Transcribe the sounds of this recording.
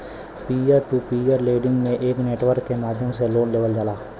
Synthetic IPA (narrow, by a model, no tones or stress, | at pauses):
piəɾʈuːpiːəɾleːɖɪ̃ŋɡmẽʔeːkneːʈʋəɾkːemaːd̪ʱjəmseloːnleːʋəld͡ʒaːlaː